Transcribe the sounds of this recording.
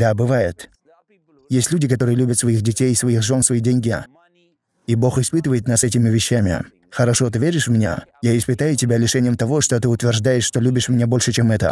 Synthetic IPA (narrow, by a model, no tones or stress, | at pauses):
d̪abɨvajɪt̪ | jesʲtʲlʲudʲɪkɐt̪o̞ɾɨjəlʲubʲət̪svɐixdʲɪtʲejɪsvɐixʐo̞nsvɐidʲenʲɡʲɪ | ibo̞xɪspɨt̪əvəjɪt̪nasɛtʲɪmʲɪvʲɪɕːæmʲɪ̰ | xəɾɐʂo̞t̪ɪvʲeɾʲɪʂvmʲɪnʲa̰jaɪspɨt̪ajʊtʲɪbʲalʲɪʂɛnʲɪjəmt̪ɐvo̞ʂt̪ot̪ɨʊt̪vʲɪrʐd̪ajɪʂʂt̪o̞lʲubʲɪʂmʲɪnʲabo̞lʲʂɨt͡ɕemɛt̪ə̰